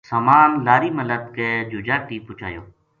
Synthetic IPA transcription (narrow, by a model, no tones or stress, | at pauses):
saːmaːnlaːɾiːmələt̪̚keːd͡ʒʊd͡ʒaːʈiːpʊt͡ʃʰa̰ːjo̰ː